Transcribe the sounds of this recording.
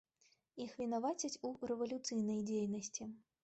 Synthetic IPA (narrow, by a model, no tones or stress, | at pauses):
ixvʲin̪avat͡sʲɐt͡sʲurɛvɐlʲut̪sɨjn̪ɐjd͡zʲejnɐsʲt͡sʲi